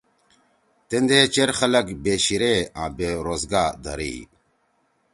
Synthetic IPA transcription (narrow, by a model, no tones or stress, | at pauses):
t̪end̪eːt͡ɕeɾxɐlɐkbeːɕiɾeːã̰ːbeːɾoːzɡaːd̪ɐ̰ɾḭː